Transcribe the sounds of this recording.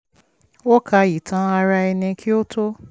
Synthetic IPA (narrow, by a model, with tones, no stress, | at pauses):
wo˦kʰa˧ji˨tʰã˨˦a˧ɾa˧ɛ˧nĩ˧kʰi˦o˦tʰo˦